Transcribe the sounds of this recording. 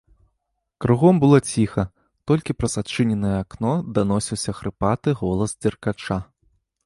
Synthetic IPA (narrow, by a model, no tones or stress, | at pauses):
kɾuɣɔmbɨlˠɔt͡sʲixɐ | t̪ɔlʲkʲipɾɐzat͡ʂɨnʲɛnɨjɛaknɔd̪anɔsʲiwsʲɐxɾɨpat̪ɨɣɔlˠɐzd͡zʲɛrkat͡ʂa